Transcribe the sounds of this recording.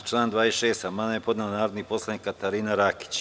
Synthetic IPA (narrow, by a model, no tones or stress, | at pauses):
t͡ʃlˠaːnd̪ʋaːesʃe̞ːst̪amanajepo̞d̪naanaːɾod̪nipo̞slˠad̪nikːat̪aɾiːnaɾaki̥t͡ɕ